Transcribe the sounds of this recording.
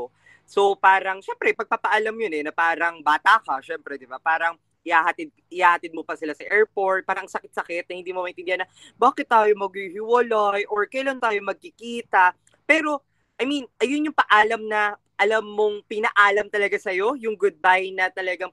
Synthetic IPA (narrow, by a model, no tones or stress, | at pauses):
so̞paːɾɐŋʃɛmpɾɛpɐɡ̚papɐʔɐlamɲonɛnɐpaːɾɐŋbaːt̪akɐʃɛmpɾɛd̪ɪbapaːɾɐŋ | ʔɪhaːhɐt̪ɪd̪̚ɪhaːhɐt̪ɪd̪̚mopɐsɪlasɐʔɛɹpo̞ɹt̪̚paːɾɐŋsɐkɪt̪sɐkɛt̪̚nɐhɪnd̪iːmomɐʔɪnɪnd̪ɪanːɐ | baːkɪt̪̚ːaːjomɐɡ̚ɪhɪwolojʔoɹkɐjlɐnt̪aːjomɐɡ̚kɪkiːt̪ɐ | pɛːɾo̞ | ʔɐjminʔɐjonjʊŋpɐʔaːlɐmnɐ | ʔɐlɐmːoŋpɪnɐʔaːlɐmt̪ɐlɐɡasɐjo̞jʊŋɡʊd̪̚bajnɐt̪ɐlɐɡaŋ